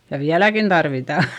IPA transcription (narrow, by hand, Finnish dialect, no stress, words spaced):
jɑ ʋiælækin d̥ɑrʋitɑˑ